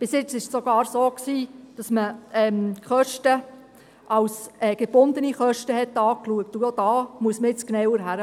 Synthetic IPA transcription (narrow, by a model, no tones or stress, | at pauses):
b̥ɪsjɪt͡sɪʃsoɡ̥ɑːɾsoːksiːd̥ɑsməɛːmχœʃtə | ʔɑwsɛːɡ̥eb̥ʊnd̪əniχœʃtəɦɛt̪ːɑːkluək̚t̪ujod̥̪ɑːmuəsməɪt͡sknɛwəɾɦæɾə